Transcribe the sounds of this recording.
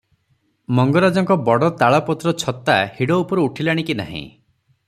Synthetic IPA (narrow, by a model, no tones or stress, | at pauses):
mɔŋɡɔɾad͡ʒɔŋkɔbɔɽɔt̪aɭɔpɔt̪ɾɔt͡ʃʰɔt̪ahiɽɔupɔɾeuʈʰilaɽ̃ikina̰ɦḭ̃